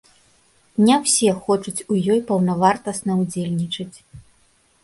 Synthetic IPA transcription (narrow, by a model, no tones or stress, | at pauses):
nʲɛwsʲɛxɔt͡ʂut͡sʲujɔjpɐwnɐvart̪ɐsnɐud͡zʲelʲnʲit͡ʂɐt͡sʲ